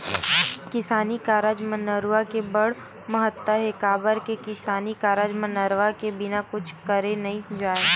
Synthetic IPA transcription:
kɪsaːnikaːɾəd͡ʒmənəɾʋakebɐɽ | mɐɦət̪ːəɦɛkaːbəɾkekɪsaːnikaːɾəd͡ʒmənəɾwakebɪnakʊt͡ʃʰkɐɾenɐɦĩd͡ʒaːeː

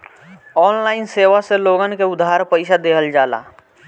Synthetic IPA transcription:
ɔːnlaːɪnseːʋaseloɡənkeʊd̪ːaɾpəɪsad̪eːɦəld͡ʒaːla̰

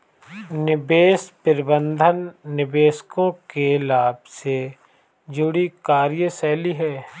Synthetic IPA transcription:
nɪbeːspɪɾbə̃nd̪ʱənːɪbeːskõkelaːbse | d͡ʒʊɽikaːɾjəsɛːliɦɛː

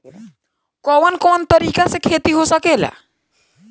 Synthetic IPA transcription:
kɔʋənkont̪əɾiːkasekʰet̪iɦosəkela̰

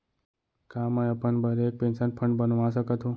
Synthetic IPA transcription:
kamajepəɳbəɾek̚pensanpʰəɳɖbənʋãsəkət̪ʰũ

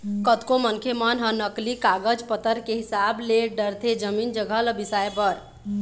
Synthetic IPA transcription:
kət̪komənkʰemənɦənəklikaɡəd͡ʒpət̪əɾkeɦisableɖəɾt̪ʰed͡ʒəmind͡ʒəɡʱələbisaepəɾ

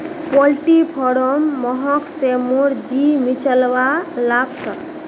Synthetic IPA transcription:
pɔlʈipʰɔɽɔmːɔɦɔksemoɾd͡ʒimit͡ʃəlbalabsə

